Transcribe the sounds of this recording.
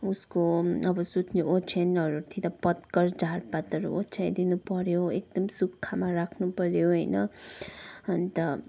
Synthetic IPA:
uskoʌbʌsut̪ʰneʔot͡sʰanʌɾut̪ʰit̪ʌpʌt̪kʌrd͡zʱarpat̪ʌɾṵot͡sʰajd̪inupʌɾjoek̚d̪ʌmsukʰːamaɾakʰnupʌɾjoɦʌjnʌ | ʌnt̪ʌ

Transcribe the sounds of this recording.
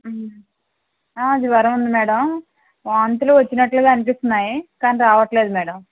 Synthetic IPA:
aːd͡ʒ̪iʋɐɾɐmund̪imɛːɽɐm | ʋaːnt̪uluʋɐt͡ʃːinɐʈlaːɡaɐnipist̪unːaːjikaːniɾaːʋɐʈle̞ːd̪umɛːɽɐm

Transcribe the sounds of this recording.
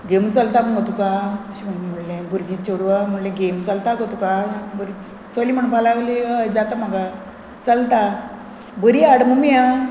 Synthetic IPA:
ɡemũt͡səlt̪aməɡət̪ukaəɕim̤əɳm̤əɽlẽbʱuɾɡiːt̪̚t͡ɕoɽʋam̤əɽlẽɡemt͡salt̪aɡət̪ukabəɾ | t͡səliːm̤əɳ̃ũpalaɡliəd͡zat̪am̤aɡa | t͡səlt̪a | bəɾiaɽmumija

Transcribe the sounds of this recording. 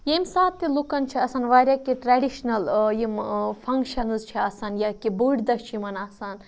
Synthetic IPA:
jemsaːt̪ːilukɐnt͡ʃʰiɐsɐnʋaːɾʲjakiʈɾaɖiʃnɐljimpʰɐŋkʃɐnzt͡ʃʰiɐsɐnjakibuɽd̪ɐst͡ʃʰimɐnɐsɐn

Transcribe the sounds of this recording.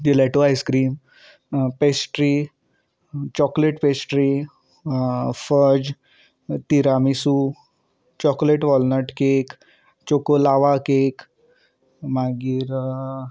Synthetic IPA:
jilɛʈoajskɾiːm | pesʈɾi | t͡ɕɔkleʈpesʈɾi | fəd͡ʑ | t̪iɾamisu | t͡ɕɔkleʈʋɔlnəɾʈkek | t͡ɕokolaʋakek | maɡiːɾ

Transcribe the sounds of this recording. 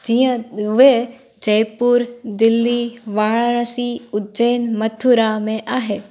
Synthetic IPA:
d͡ʒiə̃ʋe | d͡ʒɐjpuːɾd̪ɪlːiʋaːɭɽ̃siʊd͡ʒeːnmɐt̪ʰːuɾamẽʔaːɦe

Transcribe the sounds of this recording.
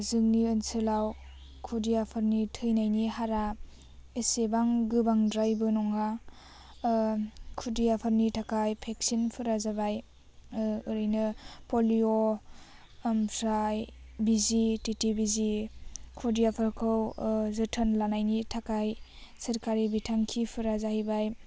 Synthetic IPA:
zɯŋniɯnsɯlaw | kʰudijapʰɯɾnitʰɯjnajnihaɾa | esebaŋɡɯbaŋdɾajbɯnɔŋa | kʰudijapʰɯɾnitʰakajpʰek̚sinpʰɯɾazabaj | ɯɾɯjnɯpolio | mʰɾajbizititibizikʰodijapʰɯɾkʰɯwzɯtʰɯnlanajnitʰakajsɐɾkaɾibitʰaŋkʰipʰɯɾazahibaj

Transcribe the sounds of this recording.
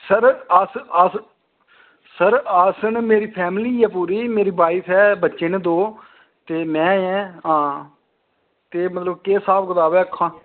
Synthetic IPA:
səɾaːsaːs | səɾaːsənmeːɾiːpʰɛːmliːjaːpuːɾiːmeːɾiːbaːɪpʰɛːbətːʃend̪oː | t̪eːmɛ̃ːɛ̃ːɦãː | t̪eːmət̪ləbkeːsaːpʰɡət̪aːbɛːəkʰːãː

